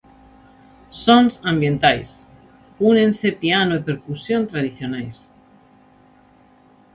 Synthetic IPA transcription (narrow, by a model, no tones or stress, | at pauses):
sõnsãmbjẽnt̪ajs | unẽnsepianoepeɾkusjont̪ɾaðiθjonajs